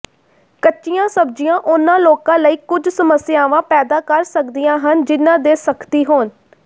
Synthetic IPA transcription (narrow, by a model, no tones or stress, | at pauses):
kətːʃijãːsəb̚d͡ʒijãːʔʊnãːloːkãːləiːkʊd͡ʒsəməsɪjaːʋãːpɛːd̪aːkəɾsəkd̪ijãːɦənd͡ʒɪnːãːd̪eːsəkt̪iːɦoːn